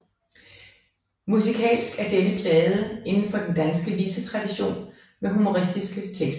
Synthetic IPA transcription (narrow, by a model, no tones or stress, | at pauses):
musikʰɛ̰ːlsɡ̥æɐd̥enəpʰlɛːðˠəe̝nn̩fɒ̽d̥end̥ænsɡ̥əʋiːsət͡sʰʁɑ̈d̥iɕo̝̰ːn | meɦumo̝ʁisd̥isɡ̥ət͡sʰeɡ̥s